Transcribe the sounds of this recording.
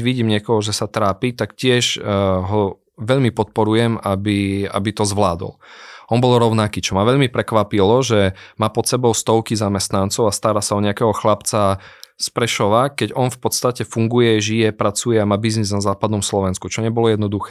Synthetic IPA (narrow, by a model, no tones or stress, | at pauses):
ʋiɟiːmɲɪɛkɔɦɔʒɛsat̪ɾaːpit̪akcɪɛʒɦɔ | ʋɛʎmipɔt̪̚pɔɾujɛmabia̰bit̪ɔzʋlaːd̪ɔ̰lɔnbɔlɾɔʊnakiːt͡ʃɔmaʋɛʎmipɾɛkʋapilɔʒɛmaːpɔt̪sɛbɔʊst̪ɔʊkizamɛst̪nant͡sɔʊast̪aɾaːsaɔɲɛakɛɦɔxlapt͡saspɾɛʃɔʋakɛɟɔnfpɔt̪st̪acɛfuŋɡujɛʒijɛpɾat͡sujɛamaːbizniznazaːpad̪nɔmslɔʋɛnskut͡ʃɔɲɛbɔlɔjɛd̪nɔd̪uxɛ̥ː